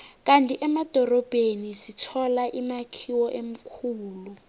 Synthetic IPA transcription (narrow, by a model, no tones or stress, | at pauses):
k̬ʼantʼiʔɛmad̥ʱɔrɔb̥ʱenisitʰɔlaʔimakʰiwɔʔem̩kʰuːlu